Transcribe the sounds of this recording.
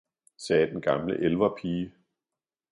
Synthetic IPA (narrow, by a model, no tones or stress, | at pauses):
sɛːd̥enɡ̥ɑ̈mləʔelʋɐpʰiː